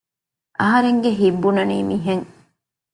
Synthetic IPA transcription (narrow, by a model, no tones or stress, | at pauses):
ʔɐɦɐɾeŋɡeɦibːunɐniːmiɦeŋ